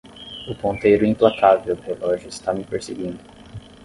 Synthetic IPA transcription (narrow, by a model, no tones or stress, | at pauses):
ʊpõnt̪ejɾʊĩplakavewd̪ʊhelɔʒʊɪst̪amɪpeɾseɡĩnd̪ʊ